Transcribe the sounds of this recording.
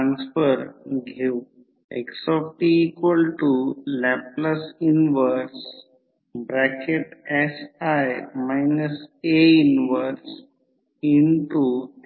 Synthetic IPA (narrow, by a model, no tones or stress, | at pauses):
ʈɾãnsfəɾɡʱeu | ḛksɔfʈiːkʋəlʈulɛp̚ləsinʋəɾɾs | bɾɛkeʈesajmajnəseinʋəɾs | inʈu